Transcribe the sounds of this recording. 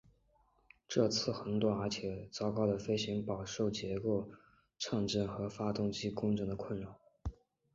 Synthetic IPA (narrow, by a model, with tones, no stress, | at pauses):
ʈ͡ʂɤ˥˧t͡sʰɹ̩˥˩xɤ˧˥ŋt̪wɔ˥˩ə˞˧˥t͡ɕʰjɛ˨˩t͡sɑ˥ʊkɑ˥ʊd̪ə˩fe˥ɪɕi˧˥ŋpɑ˨˩ʊʂo˥˩ʊt͡ɕjɛ˧˥ko˥˧ʊ | ʈ͡ʂʰɑ˥˧ŋʈ͡ʂə˥˩nxɤ˧˥fa˥t̪ʊ˥˩ŋt͡ɕi˥kʊ˥ŋʈ͡ʂɤ˧˥ŋd̪ə˧kʰwə˥˩nɻa˧˥n